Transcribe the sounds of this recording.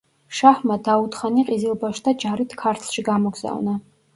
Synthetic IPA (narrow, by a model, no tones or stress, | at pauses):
ʃaħmad̪aut̪χaniqʼizilˠbaʃd̪ad͡ʒaɾit̪ʰkʰaɾt̪ʰʃiɡamɔɡz̥a̰vna